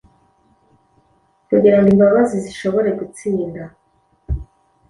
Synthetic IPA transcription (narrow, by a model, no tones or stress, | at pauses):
kuɡiɾandimbaβaziziʃo̞βo̞ɾe̞ɡut͡siːnda